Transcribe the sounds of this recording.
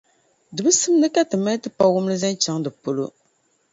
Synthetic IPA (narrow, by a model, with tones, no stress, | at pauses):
dɨ˨bɨ˦sɨ˦m˦nɨ˦ka˦tɨ˨ma˦tɨ˦pa˦wʊ˦m˦lɨ˦za˦n˦t͡ʃa˨˦ŋdɨ˨po˦lo̰˦